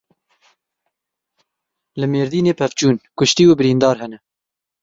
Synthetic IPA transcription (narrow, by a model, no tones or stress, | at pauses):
lɨmeːɾd̪iːneːpʰɛft͡ʃuːnkʊʃt̪iːubɨɾiːnd̪ɑːɾɦɛnɛ